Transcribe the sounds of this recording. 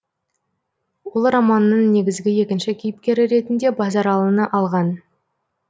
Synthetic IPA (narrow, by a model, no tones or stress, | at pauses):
wolˠrɑmɑnːəɴne̞ɡʲɪzɡʲɪje̞kʲɪnʃɪkʲʰijɪp̚kʲe̞ɾɪɾe̞t̪ɪnd̪e̞bɑzɑɾɑlˠənəʔɑlˠʁɑn